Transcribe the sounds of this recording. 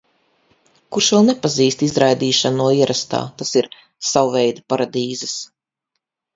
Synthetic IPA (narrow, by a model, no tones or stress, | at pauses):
kuɾʃvɛlˠnɛpaziːst̪izɾajd̪iːʃanuɔiɛɾʔast̪a̰ːt̪asiɾ | sawvɛjd̪apaɾad̪iːzɐs